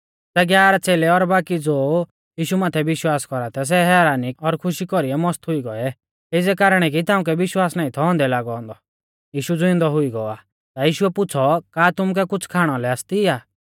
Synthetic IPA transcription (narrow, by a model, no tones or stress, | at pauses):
sɛɡjaːɾat͡seːlɛɔɾbaːkid͡zoː | jiːʃumaːt̪ʰɛbɪʃwaːskɔɾat̪ʰɛs̬ɛɦɛːɾaːnɪkɔɾkʰʊʃikɔɾiɛmɔst̪ɦʊiɡɔɛ | ɪd͡zɛkaːɾɽ̃ɛk̬it̪aːʊ̃k̬ɛbɪʃwaːsnaːĩt̪ʰɔɔ̃ːnd̪ɛlaːɡɔɔ̃ːnd̪ɔ | jiːʃud͡zʊɪ̃nd̪ɔɦʊiɡɔa | t̪ajiːʃuɛpʊt͡sʰɔkaːt̪ʊmk̬ɛkʊt͡sʰkʰaːɽ̃ɔlɛast̪iaː